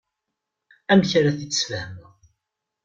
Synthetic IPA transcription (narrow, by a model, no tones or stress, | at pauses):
æmçɾæθit͡sːəsfəhmə